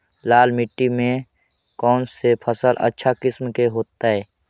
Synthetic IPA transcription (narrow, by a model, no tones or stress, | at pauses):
laːlmɪʈːimẽ | kɔːnsepʰəsəlʔə̰tːʃʰakɪsmkeɦoːt̪aɦɛː